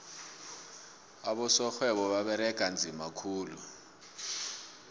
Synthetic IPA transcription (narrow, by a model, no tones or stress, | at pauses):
aɓɔsɔxwɛɓɔɓaɓɛɾɛkʼand͡zʱimakʰuːlu